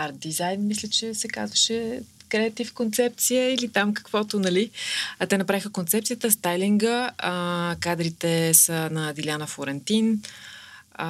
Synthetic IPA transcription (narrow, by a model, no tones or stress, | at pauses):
aɾd̪izajnmislʲət͡ʃɛsɛka̰zvəʃɛkɾɛɐt̪ifkont̪sɛp̚t̪sijəilit̪amkə̥kvɔt̪ʊnɐlit̪ɛnɐpɾavixəkont̪sɛp̚tsiət̪əst̪ajliŋɡə | kad̪ɾit̪ɛsənɐd̪ilʲjanəfoɾɛnt̪in